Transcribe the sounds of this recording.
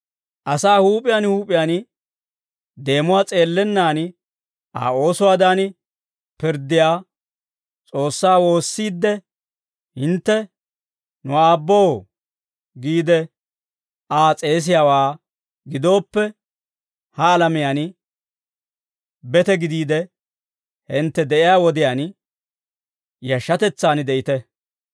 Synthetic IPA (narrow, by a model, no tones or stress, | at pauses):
ʔɐsaːhuːpʼɪjanhuːpʼɪjan | d̪e̞ːmʊwaːt͡sʼe̞ːlːɛnːaːn | ʔa̰ːo̞ːsʊwaːd̪aːn | pɪɾd̪ːɪjaː | t͡sʼo̞ːsːaːwo̞ːsːiːd̪ːɛ | hɪnt̪ːɛ | nʊaːbːoː | ɡiːd̪ɛ | aːt͡sʼe̞ːs̬ɪjaːwaː | ɡɪd̪o̞ːpːɛ | hɐːlɐmɪjaːn | bɛt̪ɛɡɪd̪iːd̪ɛ | hɛnt̪ːɛd̪ɛʔɪjaːwɔd̪ɪjaːn | jɐʃːɐt̪ɛt͡sːaːnd̪ɛʔɪt̪ɛ